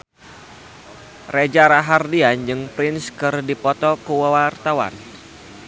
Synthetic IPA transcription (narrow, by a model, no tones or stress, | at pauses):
red͡ʒaɾaɦardiand͡ʒɨŋpɾɪnskɨrdipɔt̪ɔkuwawart̪awa̰n